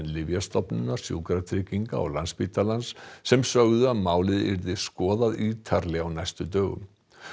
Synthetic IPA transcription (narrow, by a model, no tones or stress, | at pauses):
nlɪvjast̪ɔpnʏnːḁsjṵwkɾat̪ʰɾɪːciŋka̰ɔ̰ɣlanspit̪alansːɛmsœɣðʏaðmaːwlɪðɪ̰ɾðɪskɔːðaðiːt̪ʰaɾlɛawnajst̪ʏt̪œːɣʏ̰m